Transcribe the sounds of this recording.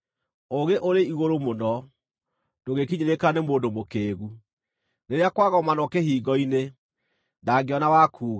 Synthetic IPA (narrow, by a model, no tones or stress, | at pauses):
oɣeʔoɾeiɣoɾomonɔ | noɣekiɲeɾekanemoːndomokeːɣu | neɾeakwaɣɔmanɔkeɦiːɡɔine | ndaɡeɔnawakʰuɣa